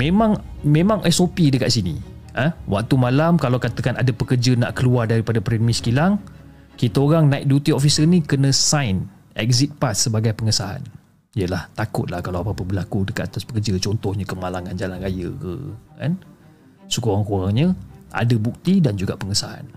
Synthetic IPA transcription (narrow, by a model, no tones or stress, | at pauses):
memãŋmẽmãŋʔɛsopidəka̰ʔsinḭəwak̚t̪umalamkalawkat̪əkana̰dapəkərd͡ʒəna̰ʔkəluardaɾipadapɾɛnmiskilaŋ | kit̪aoɾaŋnaɪk̚dut̪iofisərnĩkənə̃sajn | ɛ̰k̚zit̪̚pasːəbaɡajpəŋəsaa̰n | ijəlaht̪akʊt̪̚lahkalawapapəbəlakudəkat̪at̪aspəkərd͡ʒət͡ʃɔnt̪ɔhɲəkəmalaŋand͡ʒalanrajə̰kə̰ka̰n | sukuoɾaŋkuaŋɲəʔa̰dəbuk̚t̪idand͡ʒuɡa̰ʔpəŋəsaa̰n